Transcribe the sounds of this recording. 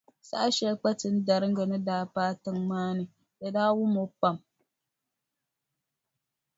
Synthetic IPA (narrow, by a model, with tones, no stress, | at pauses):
sa̰˦a˦ʃɛ˦k͡pa˦tɨ˦n˦da˨ɾɨ˦ŋ˦ɡa˨nɨ˦daː˦paː˦tɨ˦ŋmaː˦nɨ˨ | ja˨daː˦wʊ˦mo˨pa˦˨m